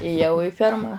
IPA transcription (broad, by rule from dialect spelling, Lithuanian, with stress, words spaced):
eːˈjɛʊ ɪ ˈfʲɛrmɐ